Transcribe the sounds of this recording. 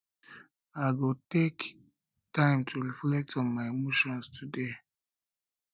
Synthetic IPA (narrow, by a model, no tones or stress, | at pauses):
aɪɡotek | tãɪ̃mtʰuɹiflɛk̚tɔ̃nmaɪemoʃɔ̃nstʰude